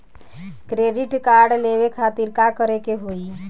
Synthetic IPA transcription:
kɾeɖiʈkaɾɖleβekʰat̪iɾkakəɾekeɦoi

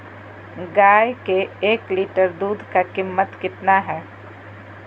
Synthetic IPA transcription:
ɡaːjkeeːkliːʈəɾd̪uːd̪ʱkakɪmːət̪kɪt̪naɦɛː

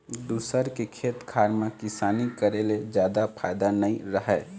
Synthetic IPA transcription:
d̪usəɾkekʰeːt̪kʰaːɾmekɪsaːnikəɾeled͡ʒjaːd̪apʰaɪd̪anəiɾəɦɛː

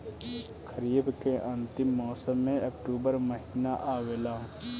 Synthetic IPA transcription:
kʰəɾiːbkeʔə̃nt̪ɪmːɔːsəmːẽɐkʈuːbəɾməɦiːnaʔaːwelaː

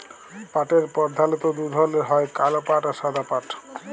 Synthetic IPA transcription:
paʈeɾpɔɾd̪ʱalit̪od̪ud̪ʱɔleɦɔekalopaʈaʃad̪ʱapaʈ

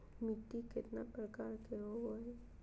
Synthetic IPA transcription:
mit̪ːikɪt̪napɾəkaːɾkeɦoɦoɛ

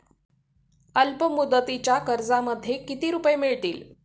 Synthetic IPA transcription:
əlpəmud̪ət̪it͡ɕjakəɾd͡zaməd̪ʱːjekit̪iːɾupjemiɭt̪iːl

